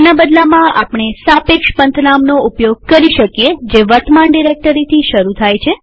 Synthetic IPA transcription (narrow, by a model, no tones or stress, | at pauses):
nabəd̪lamãʔapɳ̃esapekʃpənt̪ʰənamnoupjoɡ̚kəɾiʃəkijed͡ʒeʋəɾt̪maɳɖiɾek̚ʈəɾit̪ʰiʃəɾut̪ʰajt͡ʃʰe